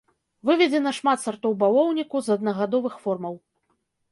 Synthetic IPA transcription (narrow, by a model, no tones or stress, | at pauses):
vɨvʲɛd͡zʲɛnɐʂmat̪sart̪ɔwbalˠɔwnʲikuzɐd̪̚nɐɣad̪ɔvɨxfɔrmɐw